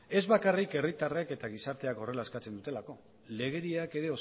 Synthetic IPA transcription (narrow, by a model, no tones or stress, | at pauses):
e̞zβakarike̞rit̪areke̞t̪aɣ̞isaɾt̪e̞ako̞re̞laskat͡se̞nd̪ut̪e̞lako̞ | le̞ɣ̞e̞ɾiake̞ɾe̞o̞